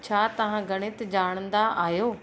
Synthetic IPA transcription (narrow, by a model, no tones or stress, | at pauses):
t͡ʃʰaːt̪ɐɦãːɡəɽ̃ɪt̪d͡ʒaːɽ̃ənd̪aʔaːjoː